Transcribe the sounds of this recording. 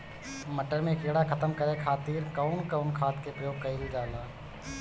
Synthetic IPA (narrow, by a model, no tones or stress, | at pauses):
məʈəɾmẽkeːɽakʰət̪əmkəɾekʰaːt̪iːɾkaʊnkəʊnkʰaːt̪kepɾəjoːɡ̚kɐɪld͡ʒaːlaː